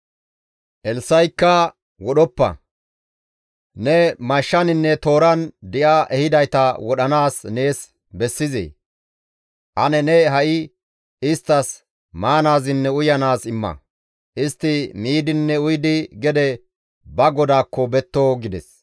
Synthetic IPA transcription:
ʔɛlsɐjkːɐ | wɔɗɔpːɐ̰ | nɛmɐʃːɐnɪnːɛt̪o̞ːɾɐnd̪ɪʔaʔɛhɪd̪ɐjt̪ɐwɔɗɐnaːsne̞ːs | bɛsːɪzḛː | ʔɐnɛnɛɦɐʔɪ | ɪst̪ːɐs | maːnaːzɪnːɛʊjɐnaːsɪmːɐ̰ | ʔɪst̪ːɪmiːd̪ɪnːɛʊjd̪ɪɡɛd̪ɛ | bɐɡɔd̪aːkːɔbɛt̪ːoːɡɪd̪ɛs

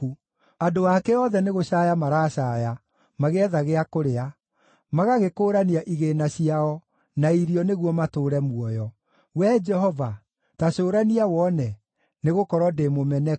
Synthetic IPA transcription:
u | adoakɛɔðɛneɣoɕajamaɾaɕaːja | maɣeɛðaɣeakoɾea | maɣaɣekoːɾaniaʔiɣenaɕiaɔ | naiɾiɔneɣwɔmatoːɾɛmuɔjɔ | wɛd͡ʒɛɦɔva | taɕoːɾaniawɔnɛ | neɣokɔɾɔdemomɛnɛ

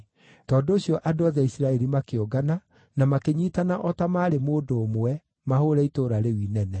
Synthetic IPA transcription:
tɔːndooɕjɔʔadoaðɛisiɾaɛɾimakeoɡana | namakeɲiːtanaʔɔtamaːɾemoːdoːmwwɛ | mahoɾɛitoːɾaɾewiːnɛnɛ

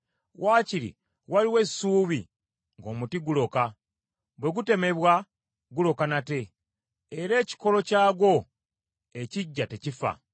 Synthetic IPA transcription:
waːciɾḭ | waliwe̞suːβi | ŋɡo̞ːmutiɡulo̞ka | bwe̞ɡute̞me̞βwa | ɡulo̞kanate̞ː | ɾe̞ːci̥ko̞lo̞caːɡo̞ | eciɟːatecifa̰

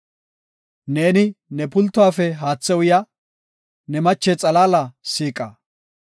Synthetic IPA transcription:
ne̞ːnɪnɛpʊlt̪ːʊwaːfɛɦaːt͡sːɛwʊjɐ | nɛmɐt͡ʃːɛt͡sʼɐlaːlɐsiːkʼɐ̰

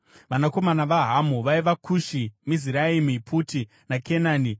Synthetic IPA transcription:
ʋanako̞manaʋaɦamuʋaiʋakʰuʃimiziɾaimipʰuti | nakʰenaːni

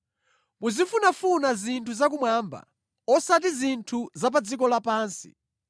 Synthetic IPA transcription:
muzifunafunazintʰuzak̬umwamba̰ | ɔsat̬izintʰuzap̬ad͡zikɔlapaːnsi̥̰

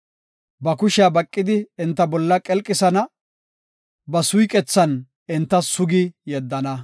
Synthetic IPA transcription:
bɐkʊʃɪabɐkʼːɪd̪ɪːnt̪ːɐbɔlːɐkʼɛlkʼːɪsɐnɐ | bɐsʊjkʼɛt͡sːɐn | ɪnt̪ːɐsʊɡɪjɛd̪ːɐnɐ

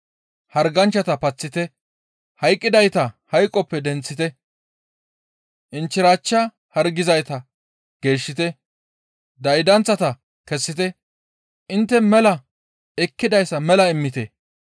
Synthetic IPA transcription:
hɐɾɡɐnt͡ʃːɐt̪ɐpɐt͡sːɪt̪ɛ | hɐjkʼːɪd̪ɐjt̪ɐhɐjkʼːɔpːɛd̪ɛnt͡sːɪt̪ɛ | ʔɪnt͡ʃːɪɾaːt͡ʃːɐ | hɐɾɡɪzɐjt̪ɐ | ɡ̥e̞ːʃːɪt̪ɛ | d̪ɐjd̪ɐnt͡sːɐt̪ɐ | kɛsːɪt̪ɛ | ʔɪnt̪ːɛmɛlɐ | ɛkːɪd̪ɐjsːɐmɛlɐɪmːɪt̪ɛ

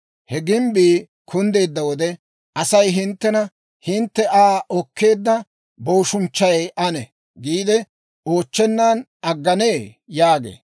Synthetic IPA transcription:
hɛɡɪmbiː | kʰʊnd̪e̞ːd̪ːɐwɔd̪ɛ | ʔɐsɐjɦɪnt̪ːɛnɐ | hɪnt̪ːɛʔaːʔɔkʰːe̞ːd̪ːɐ | boːʃʊnt͡ʃːɐjʔɐnɛ | ɡiːd̪ɛ | o̞ːt͡ʃːɛnːaːn | ɐɡːɐneːjaːɡḛː

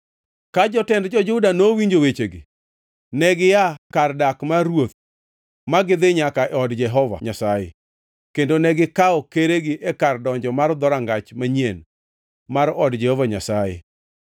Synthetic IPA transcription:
kad͡ʒɔtɛndd͡ʒɔd͡ʒʊdanowiɲd͡ʒowet͡ʃeɡɪ̰ | nɛɡɪjakardakmaɾwot̪ | maɡɪd̪ɪɲakaɛɔdd͡ʒɛɦɔva̰ɲasajḛ | kendonɛɡɪkaɔkeɾeɡɪʔɛkardɔɲd͡ʒɔmard̪ɔɾaŋɡat͡ʃmaɲien | maɾɔdd͡ʒɛhɔvaɲasajḛ

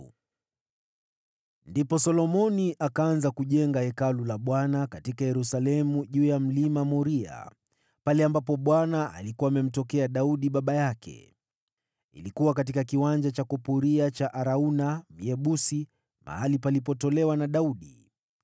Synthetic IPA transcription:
ndipɔsɔlɔmɔniʔakaanzakuʄɛŋɡahɛkalulaɓwanakatikajɛɾusalɛmuʄuːjam̩limamɔɾia̰ | palɛambapɔɓwanaa̰likuwaːmɛm̩tɔkɛaɗauɗiɓaɓajakʰɛ̰ | ḭlikuwakat̬ikakiwand͡ʒat͡ʃakɔpuɾiat͡ʃaʔaɾaunam̩jɛɓusi | ma̰halipalipɔtɔlɛwanaɗauɗi

